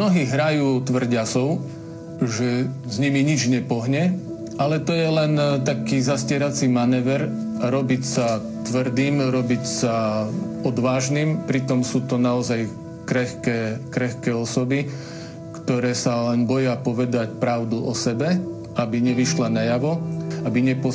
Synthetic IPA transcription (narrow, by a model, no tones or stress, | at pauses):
mnɔɦiːɦɾajuːt̪ʋr̩ɟasɔʊ | ʒɛzɲimiɲid͡ʒɲɛpɔɦɲɛ | alɛt̪ɔjɛlɛnt̪akiːzascɪɛɾat͡simanɛːʋɛɾ | ɾɔbicsa | t̪ʋr̩d̪iːmɾɔbicsa | ɔd̪ʋaːʒniːmpɾit̪ɔmsuːt̪ɔnaɔzaj | kɾɛxkɛːkɾɛxkɛːɔsɔbi | kt̪ɔɾɛːsalɛnbɔjapɔʋɛd̪acpɾaʊd̪uʔɔsɛbɛ | abiɲɛʋiʃlanajaʋɔabiɲɛpɔ